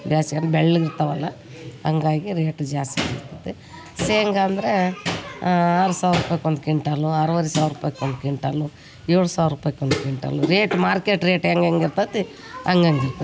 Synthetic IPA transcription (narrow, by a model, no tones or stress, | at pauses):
bʱjaːsiɐnbeɭːuiɾt̪ɐʋɐlːɐ | ɐŋɡaːɡiɾeːʈd͡ʒaːsḭiɾt̪ɐt̪ːe | seːŋɡaːnd̪ɐɾe | aːɾusaːʋɾupaːjkond̪ukiɳʈaːluɐɾuʋɐɾisaːʋɾupaːjkeond̪ukiɳʈa̰ːlːu | ɛɾɽusaːʋɾupaːjkond̪ukiɳʈa̰ːlːuɾeːʈmaːɾkeːʈɾeːʈeŋɡeŋɡiɾt̪ɐt̪ːi | ɐŋɡɐŋɡiɾt̪ɐ